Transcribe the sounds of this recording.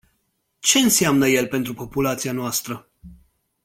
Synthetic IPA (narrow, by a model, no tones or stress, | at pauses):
t͡ʃe̞ɨnsiamnəje̞lpe̞nt̪ɾupo̞pulat̪sianoast̪ɾə